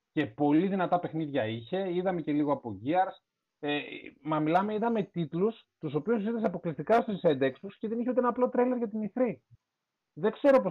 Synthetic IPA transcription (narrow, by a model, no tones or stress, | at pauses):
ce̞po̞liðinɐt̪ɐpe̞xniðʝɐiçe̞iðɐme̞ce̞liɣo̞ɐpo̞ʝiɐɾs | emɐmilɐme̞iðɐme̞t̪it̪lus | t̪uso̞piususiθiseɐpo̞klist̪ikɐst̪osisend̪e̞kst̪usceðe̞niçeut̪eenɐplo̞t̪ɾejle̞ɾʝɐt̪̬iniθɾi | ðe̞kse̞ɾo̞po